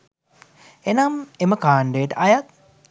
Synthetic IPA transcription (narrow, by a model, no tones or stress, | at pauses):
enameməkaːɳɖejːʈəʔɐjak̪̚